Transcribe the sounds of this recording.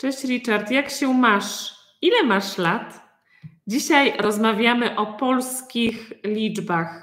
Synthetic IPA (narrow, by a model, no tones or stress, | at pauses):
t͡ʂɛɕɾʲit͡ʂaɾt̪jakɕɛmaʂ | ilɛmaʂlat̪ | d͡ʑiɕajɾɔzmavʲjamɘʔɔpɔlskʲixlʲid͡ʐbax